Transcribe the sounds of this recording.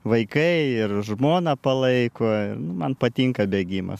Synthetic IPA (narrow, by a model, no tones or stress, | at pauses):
ʋɐɪkɐɪɪrʒmoːnɐpɐlˠɐɪkoːɪ̰rnʊmɐnpɐt̪ʲiŋkɐbʲeːɡʲiːmɐ̰s